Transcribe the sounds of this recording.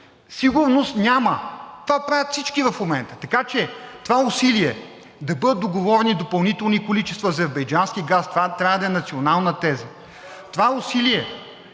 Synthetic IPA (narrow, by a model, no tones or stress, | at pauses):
siɡʊɾnost̪nʲamət̪ovapɾavʲjət̪fsit͡ʃkivɐfmomɛnt̪ə̥t̪ɐkat͡ʃɛt̪ovaʊsiliɛ | d̪ɐbɤd̪ət̪ːoɡovɔɾɛnid̪opɐlˠnit̪ɛlˠnikolit͡ʃɛst̪vɐɐzɛɾbɐjd͡ʒanskiɡast̪vat̪ɾʲavəd̪ɐɛnɐt̪sionalˠnət̪ɛzə | t̪ovaʊsiliɛ